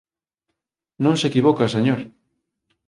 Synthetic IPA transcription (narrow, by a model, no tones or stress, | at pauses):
nõnsekiβokaseɲoɾ